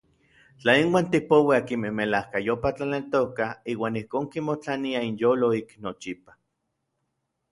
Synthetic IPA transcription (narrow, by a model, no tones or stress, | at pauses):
t͡ɬainwaːnt̪ipowiakimehmelahkajopat͡ɬanelt̪okaiːwaːnihkoːŋkimot͡ɬaniainjoːloiknot͡ʃipḁ